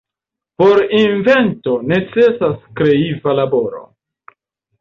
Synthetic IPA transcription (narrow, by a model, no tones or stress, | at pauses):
po̞ɾinve̞nto̞ne̞t͡se̞saskɾe̞ivalaboɾo̰